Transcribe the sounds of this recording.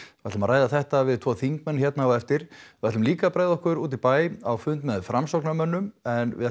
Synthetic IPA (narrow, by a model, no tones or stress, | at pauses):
vat̪lʏmaɾaːjðaθɛht̪avɪðt̪ʰvɔːθiŋk̚mɛnːçɛt̪naawɛft̪ɪɾ̥ɪvaɾt̪lʏmliːkapɾajðɔhkʏɾuːt̪ipaːjawfʏnt̪mɛðfɾamsɔknamœnːʏmɛnvɪ̰